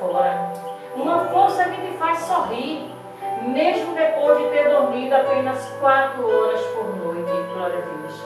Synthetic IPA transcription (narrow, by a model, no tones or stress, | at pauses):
olaɾɐ | ũmɐfoɾsɐkɪ̃t̪ɪfajssoɦiɾ | meʒmʊd̪epozd͡ʒɪt̪eɾd̪oɾmid̪ʊapẽnɐskwat̪ɾʊɔɾɐspoɾnojt̪ɪĩpɾɔɾɐviʃ